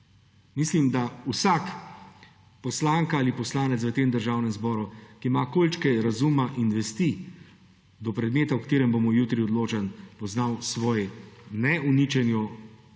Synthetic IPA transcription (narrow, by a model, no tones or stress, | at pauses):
mislimd̪ausak | pɔslaːŋkaalipɔslaːnɛt̪s̬ʋət̪eːmd̪əɾʒaːwnɛmzbɔːɾukiːmakolt͡ʃkɛɾazumaʔinʋɛst̪i | d̪ɔpɾɛd̪meːt̪awkt̪eːɾɛmbomɔjut̪ɾiɔd̪loːt͡ʃanpɔznawsʋɔːjɛnɛunit͡ʃɛnjɔ